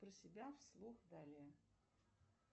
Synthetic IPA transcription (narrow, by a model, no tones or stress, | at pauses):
pɾəsʲɪbʲafslˠuxd̪alʲɪjə